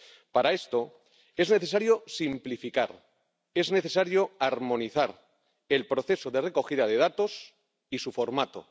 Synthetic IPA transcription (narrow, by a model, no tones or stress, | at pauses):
paɾae̞st̪o̞ | e̞zne̞θe̞s̬aɾjo̞simplifikaɾ | e̞zne̞θe̞saɾjo̞aɾmo̞niθaɾ | e̞lpɾo̞θe̞soðere̞ko̞xiðaðe̞ð̞at̪o̞s | isufo̞ɾmat̪o̰